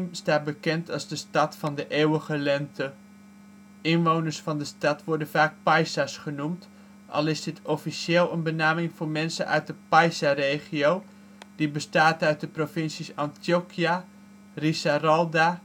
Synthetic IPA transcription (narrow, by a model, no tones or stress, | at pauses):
mstaːt̚bəkɛntɑlˠzdəstɑtfɑndəʔeːwəɣəlɛntə | ɪnʋoːwnərsfɑndəstɑtʋɔɹdənfaːk̚pajsasχənumt | ʔɑ̰lˠɪsdɪtʰɔfiseːlˠənbənaːmɪŋformɛnsənʔœ̰ɥt̚dəpajsareːχiow | d̥ibəstaːtœɥt̚dəprofɪnsisɑntjokia | risarɔlˠda